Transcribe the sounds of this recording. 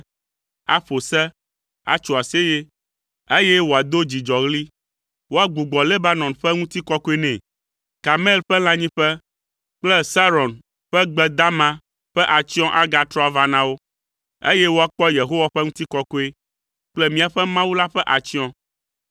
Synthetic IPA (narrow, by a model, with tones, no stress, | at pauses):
a̰˦ɸo˨sɛ˦ | a̰˨t͡ʃo˨a˨se˦je˦ | e˦je˦wo˨a˨d̪o˦d͡ʑi˨d͡ʒɔ˨ɣli˦ | wo˦a˨ɡ͡bu˨ɡ͡bɔ˨le˦ba˦nɔ̃˨nɸɛ˦ŋũ˦t̪i˦kɔ˦ko˦e˦nɛ̃˨ | ka˨me˦˨lɸɛ˦l̃ã˦ɲĩ˦ɸɛ˦ | k͡plɛ˦sa˦ɾɔ˨n | ɸɛ˦ɡ͡bɛ˦d̪a˦mã˦ | ɸɛ˦ʔa˨t͡ɕi˦ɔ̃˦ʔa˦ɡa˨t̪ɾɔ˦a˨va˦nã˦wo˦ | ḛ˦jɛ˦wo˦a˨k͡pɔ˦je˨ɦo˦wa˨˦ɸɛ˦ŋũ˦t̪i˦kɔ˦ko˦e˦ | k͡plɛ˦mĩ˦a˨ɸɛ˦mã˦wu˦la˦ɸɛ˦ʔa˨t͡ɕi˦ɔ̃˦